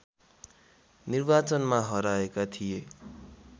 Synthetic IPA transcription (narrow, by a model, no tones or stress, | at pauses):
nirbat͡sʌnmaɦʌɾaekat̪ʰije